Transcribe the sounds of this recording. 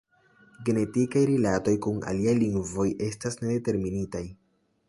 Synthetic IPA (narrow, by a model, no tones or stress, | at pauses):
ɡe̞ne̞tikajɾilato̞jkuna̰liajliŋɡvo̞jʔe̞stasne̞de̞te̞ɾminitaj